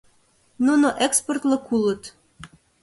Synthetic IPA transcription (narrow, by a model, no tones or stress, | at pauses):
nunoʔeksport̪lə̆kulə̆t̪